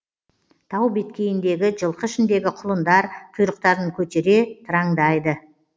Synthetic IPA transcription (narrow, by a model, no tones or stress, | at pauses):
t̪ʰɑwbet̪kʲe̞jɪnd̪e̞ɡʲɪʒəlˠqəʃɪnd̪e̞ɡʲɪqʰʊlˠənd̪ɑɾt̪ʰʊjɾəq̚t̪ɑɾd̪əŋkʲʰɵt̪e̞ɾe̞t̪ʰəɾɑŋd̪ɑjd̪ə